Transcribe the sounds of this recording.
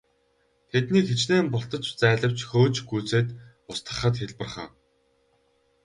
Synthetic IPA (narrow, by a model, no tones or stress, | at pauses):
t̪ʰet̪niːkxet͡ɕneːmpʊɬt̪ɞ̆t͡ɕt͡sæːɮə̆w̥t͡ɕxoːt͡ɕɡuːt͡seːt̪ | ʊst̪ə̆χə̆t̪xeɮpə̆rχə̰̆ː